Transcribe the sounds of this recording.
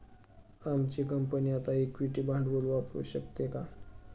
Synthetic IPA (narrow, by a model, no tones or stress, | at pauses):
amt͡ɕikəmpəniat̪aekʋiʈibʱãɳɖʋəlapɾṵɕəkt̪eka